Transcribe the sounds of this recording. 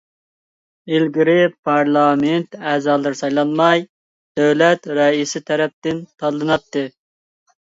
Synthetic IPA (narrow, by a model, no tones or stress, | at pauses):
ilɡʲiɾɪpʰɑɾlˠɑment̪æːzɑːlˠɨɾsɑjlˠɑnmɑj | d̪̥øwlɛt̪ɾɛisɪt̪ʰɛɾɛp̚t̪ɪnt̪ʰɑlˠːɨnɑp̚t̪ːɨ